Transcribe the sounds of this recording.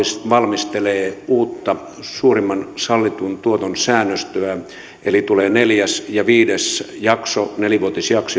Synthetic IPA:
sʋɑlmist̪eleːuːt̪ːɑ | suːrimːɑnsɑlːit̪unt̪uot̪onsæːnːøst̪øæ | ʔelit̪uleːneljæsjɑʋiːdesjɑksoneliʋuot̪isjɑkso

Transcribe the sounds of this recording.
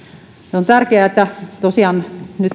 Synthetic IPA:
seont̪ærkeæet̪ːæt̪osiɑːnnyt̪

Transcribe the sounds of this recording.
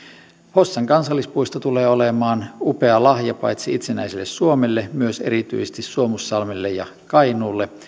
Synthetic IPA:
hosːɑŋkɑnsɑlːispuist̪ɑt̪uleːolemɑːnupeɑlɑhjɑpɑjt̪siit̪senæisilːessuomelːemyøsḛɾit̪y̰isest̪issuomusːɑlmilːejɑ | kɑinuːlːe

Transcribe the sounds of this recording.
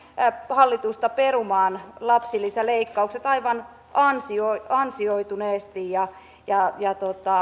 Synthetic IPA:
hɑlːit̪ust̪ɑperumɑːnlɑpsilːisɑleikːɑukset̪ɑiʋɑn | ɑnsioiɑnsioit̪uneːst̪ijjɑ | jɑjɑt̪ot̪ɑ

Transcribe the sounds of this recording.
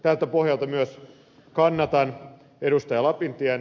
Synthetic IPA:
t̪ælt̪æpo̞hjɑlt̪ɑmyøs | kɑnːɑt̪ɑn | edust̪ɑjɑlɑpint̪iæn

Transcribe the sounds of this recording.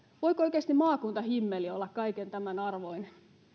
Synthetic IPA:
ʋoikooikeːˑst̪immɑːkunt̪ɑhimːeliolːɑkkɑikent̪æmænɑrʋoin

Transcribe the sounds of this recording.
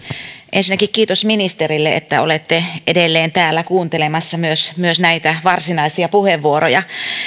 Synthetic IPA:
ʔensinːækikkiːt̪osminist̪eɾilːeʔḛt̪ːæo̞̰let̪ːeʔedelːeːnt̪æːlːækuːnt̪elemɑsːɑmyøsmyøsnæit̪æʋɑrsinɑisiɑpuheʋːuoɾojɑ

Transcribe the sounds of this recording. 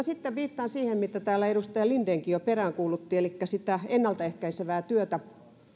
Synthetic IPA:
ɑsit̪ːeʋʋiːt̪ːɑːnsiːhemmit̪ːæt̪æːlːæeɾust̪ɑjɑlind̪eːŋkijjoperæŋkuːlut̪ːiːelikːæsit̪æenːɑlt̪ɑehkæiseʋæːt̪yøt̪æ

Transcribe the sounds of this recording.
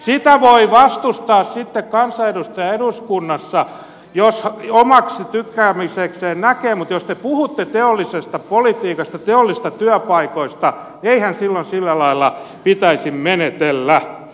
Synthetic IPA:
sit̪æʋoiʋɑst̪ust̪ɑːssit̪ːekkɑnsɑedust̪ɑjɑeduskunːɑsːɑ | joshomɑksit̪ykːæːmisekseːnnækeːmut̪jost̪epuhut̪ːet̪eolːisest̪ɑpolit̪iːkɑst̪ɑt̪eolːis̆t̪ɑt̪yœpɑikoist̪ɑ | eihænsilːonsilːælɑilːɑ | pit̪æisimmenet̪elːæ

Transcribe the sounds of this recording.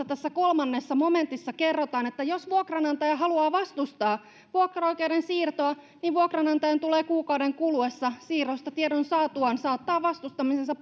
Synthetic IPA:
ɑt̪æsːækolmɑnːesːɑmomẽnt̪isːɑkerːot̪ɑːnet̪ːæjosʋuokrɑnɑnt̪ɑjæɦɑluɑːʋɑst̪ust̪ɑː | ʋuokrɑojkeudensiːrt̪oɑ | niʋʋuokrɑnɑnt̪ɑjɑnt̪uleːkuːkɑudeŋkuluesːɑsiːrost̪ɑt̪ieɾonsɑːt̪uɑnsɑːt̪ːɑːʋʋɑst̪ust̪ɑmisensɑp

